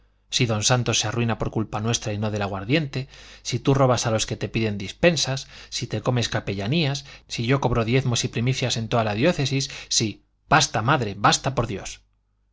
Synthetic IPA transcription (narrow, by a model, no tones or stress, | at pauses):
siðo̞nsant̪o̞sːearuinapo̞ɾkulpanwe̞st̪ɾaino̞ðelaɣwaɾðje̞nt̪e̞sit̪uro̞β̞asalo̞ske̞t̪e̞piðe̞nd̪ispe̞nsasːit̪e̞ko̞me̞skape̞ʎaniasːiʝo̞ko̞β̞ɾoðje̞ðmo̞sipɾimiθjase̞nt̪oðalaðjo̞θe̞sisːi | b̥ast̪amaðɾe̞βast̪apo̞ɾðjo̞s